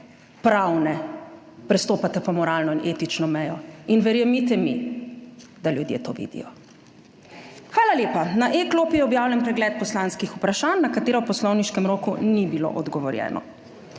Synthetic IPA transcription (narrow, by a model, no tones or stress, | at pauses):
pɾawnɛ | pɾɛst̪oːpat̪ɛpɔmɔɾaːlnɔinʔeːt̪it͡ʃnɔmɛjɔinʋɛɾjɛmit̪ɛmi | d̪aljud̪jḛt̪oːʋḭːd̪ḭjɔ | xʋaːlaljeːpanaʔekloːpijɛɔbjaːwlʲjɛnpɾɛɡlɛːt̪̚pɔslanskixupɾaʃaːnːakat̪eːɾɛwpɔslɔwniʃkɛmɾoːkunibilo̰ʔɔd̪ɡɔʋɔɾjɛ̰ːnʔɔ̰